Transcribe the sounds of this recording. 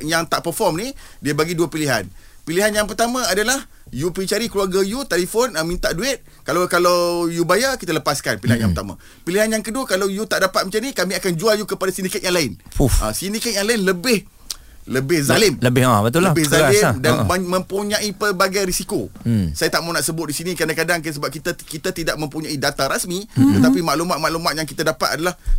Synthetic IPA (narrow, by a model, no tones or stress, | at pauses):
jaŋt̪aʔpərfɔrmnidiəbaɡiduapiliɦa̰npiliɦanjaŋpərt̪amãadalah | jupɾit͡ʃaɾikluaɡajut̪alifɔnəmĩnt̪aʔduɪt̪̚ | kalakalawjubajakit̪aləpaskanpiliɦanjãŋpərt̪amã̰ | piliɦanjaŋkəduəkalawjut̪aʔdapat̪̚mət͡ʃanikamiakand͡ʒualjukəpadasindikɛt̪̚jaŋlaɪnufã̰sindikɛt̪̚jaŋlaɪnləbɪh | ləbɪhzalɪmləbɪabət̪uləabɪhzalɪdanəmə̃mpuɲãʔipəbaɡajɾisikosajat̪aʔmaunaʔsəbʊt̪̚disinikɾadakadaŋksəbap̚kit̪akit̪at̪idaʔ̚mə̃mpuɲãidat̪aɾasmit̪ət̪apimaʔlumat̪̚maʔlumãt̪̚jaŋk̬it̪adapat̪̚adalah